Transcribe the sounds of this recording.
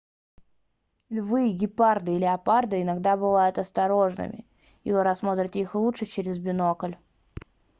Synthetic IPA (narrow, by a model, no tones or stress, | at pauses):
lʲvɨjɡʲɪpard̪ɨɪlʲɪɐpard̪ɨɪnɐɡd̪abɨvajʊt̪ɐst̪ɐɾo̞ʐnɨ̰mʲɪ̰ | ivɨɾɐsmo̞t̪ɾʲɪtʲɪixlˠutʂɨt͡ɕeɾʲɪzbʲɪnokəlʲ